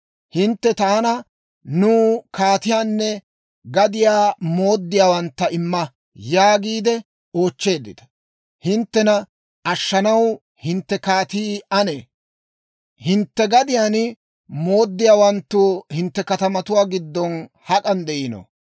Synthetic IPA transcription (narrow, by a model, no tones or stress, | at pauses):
hɪnt̪ːɛt̪aːnɐ | nuːkaːt̪ɪjaːnːɛ | ɡɐd̪ɪjaːmo̞ːd̪ːɪjaːwɐnt̪ːɐʔɪmːɐ | jaːɡiːd̪ɛ | o̞ːt͡ʃːe̞ːd̪ːɪt̪ɐ̥ | hɪnt̪ːɛnɐ | ɐʃːɐnɐw | hɪnt̪ːɛkaːt̪iːɐneː | hɪnt̪ːɛɡɐd̪ɪjaːn | mo̞ːd̪ːɪjaːwɐnt̪ːʊhɪnt̪ːɛkɐt̪ɐmɐt̪ʊwaːɡɪd̪ːɔn | hɐkʼɐnd̪ɛʔɪno̰